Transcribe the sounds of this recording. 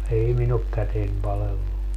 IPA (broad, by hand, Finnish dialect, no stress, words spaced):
ei min ok kæten pɑlelːu